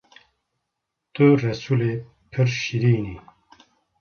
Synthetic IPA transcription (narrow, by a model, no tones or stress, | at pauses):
t̪uɾɐsule | pʰiɾɕiɾiːni